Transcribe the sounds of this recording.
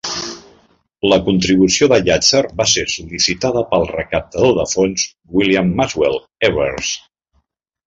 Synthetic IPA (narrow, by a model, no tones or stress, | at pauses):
ləkunt̪ɾiβusioðəʎat͡sərbasesulisit̪aðəpəlˠrəkəp̚t̪əðoðəfonz | wiliamːazwɛlˠ | ɛβəɾs